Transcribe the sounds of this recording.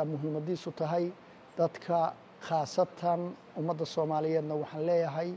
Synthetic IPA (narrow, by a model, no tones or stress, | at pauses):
amʊɦiːmɐðiːsʊt̪ʰɐɦɛj | d̪̥ɐd̪kʰɐ | χɑːsɐt̪ʰɐn | ʊmɐd̪ːɐsɔːmaːlɪjɛːd̪nɐwɑħɑːnlɛːjɐɦɛj